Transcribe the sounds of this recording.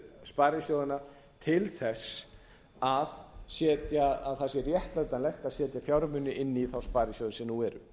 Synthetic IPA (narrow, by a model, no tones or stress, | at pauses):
spaːɾɪsjoːwðɪna | t̪ʰɪlθɛs | aðsɛːt̪jaaðθɛsɪrjɛht̪lat̪anlɛxt̪aðsɛːt̪jafjawɾmʏnːʏʔɪnːiθawspaːɾɪsjowðnsɛmnuɛɾʏ̰